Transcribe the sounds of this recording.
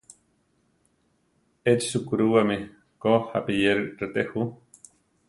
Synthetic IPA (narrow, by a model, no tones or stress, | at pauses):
et͡ʃsukuɾuwame | kohapijeɾɾet̪ehu